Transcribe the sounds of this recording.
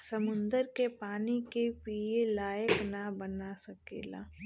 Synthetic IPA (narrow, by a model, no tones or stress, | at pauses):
sɐmʊ̃nd̪əɾkepaːnikepielaːjəknabɐnasɐkḛːla̰ː